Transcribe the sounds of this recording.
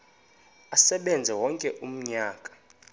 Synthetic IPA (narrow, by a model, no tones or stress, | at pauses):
asɛɓɛnd͡zʱɛwɔŋkʼɛʔum̩ɲaːkʼḁ